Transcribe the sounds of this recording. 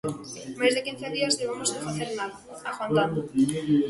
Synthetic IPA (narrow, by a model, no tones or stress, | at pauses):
mazðekinθeðiazʎeβamosefaθeɾnaða | axanan